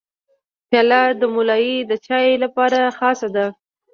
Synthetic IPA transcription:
pjɑlɑd̪əmʊlɑjid̪ət͡ʃɑjlapɑɾaxɑsad̪a

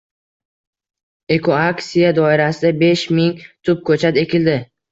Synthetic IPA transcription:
e̞kʰoaksijad̪ɒɪɾasɪd̪abe̞ʃmɪŋt̪ʰʊp̚kʰɵt͡ʃʰat̪e̞kʲʰɪld̪ɪ

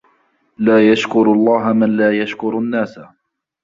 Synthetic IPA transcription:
laːjaʃkʊɾlˤːɑːɦamanlaːjaʃkʊɾanːaːsa

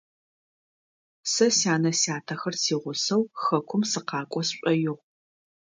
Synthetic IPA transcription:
sɐsjaːnɐsjaːtʰɐxɐrsiːʁʷʊsɐwxɐkʷʰʊmsɨqɑːkʷʼɔsɕʷʼɔjɪʁ

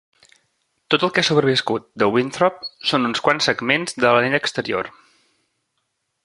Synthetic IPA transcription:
t̪ot̪əlˠkasuβɾəβiskut̪̚d̪əwint̪ɾɔp̚sonunskwansːəɡmenzd̪ələnit̪əkst̪əɾio̰r

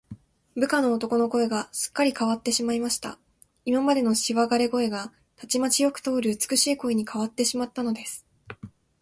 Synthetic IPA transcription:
bɯ̟kano̞ːt̪o̞ko̞no̞ko̞e̞ɡasɨ̥kːaɾʲikaβat̪ːe̞ɕimaimaɕi̥t̪a̰ | imamad̪e̞no̞ɕiβaɡaɾe̞ɡo̞e̞ɡa | t̪at͡ɕimat͡ɕijo̞kɯ̟̥t̪o̞ːɾɯ̟ɯt͡sɨ̥kɯ̟ɕiːko̞iɲ̟ikʰaβat̪ːe̞ɕimat̪ːano̞d̪e̞sɨ̥

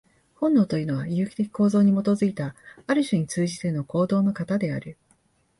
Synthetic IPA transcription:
hõ̞nːo̞ːt̪o̞jɯ̟no̞β̞ajɯ̟ːkʲi̥t̪e̞kʲi̥ko̞ːzo̞ːɲ̟imo̞t̪o̞zɨit̪aaɾɯ̟ɕɨɲ̟it͡sɨːʑit̪e̞no̞ko̞ːd̪o̞ːno̞kat̪ad̪e̞a̰ɾɯ̟

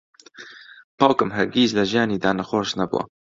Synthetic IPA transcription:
paːwkɨmɦɐɾɡiːzlɐʒijaːniːd̪aːnɐxoːɾʃnɐbṵwa̰

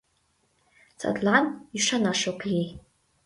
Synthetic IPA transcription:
t͡sʰʼa̰dlaniʂanaʂokʰji

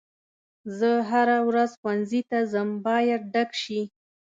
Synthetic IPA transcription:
zəɦaɾawɾazxwanzit̪azəmbɑjad̪̚ɖakʃi

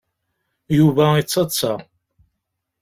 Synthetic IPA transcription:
juvæit͡sːɑt͡sːɑ

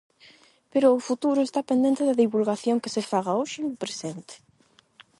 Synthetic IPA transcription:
peɾʊːfut̪uɾʊest̪apend̪ẽnt̪ɪðɐðiβulɣaθjoŋkesefaɣaoʃɪnʊpɾesent̪e̥

